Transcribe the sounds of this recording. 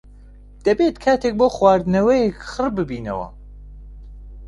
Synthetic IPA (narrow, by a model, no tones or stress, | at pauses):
d̪̥ɐbeːt̪kʰaːt̪ʰek̚boːxwaːɾd̪ɨnɐwɐjekxɨrbɨbiːnɐ̰wɐ̰